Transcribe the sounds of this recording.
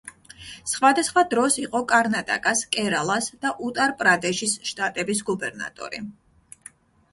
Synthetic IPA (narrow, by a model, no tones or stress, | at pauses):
sχwad̪asχwad̪ɾɔsiqʼɔkʼaɾnat̪ʼa̰kʼaskʼɛɾalˠasd̪̥aʔut̪ʼaɾpʼɾad̪ɛʃisʃt̪ʼat̪ʼɛbis̬ɡubɛɾna̰t̪ʼɔ̰ɾḭ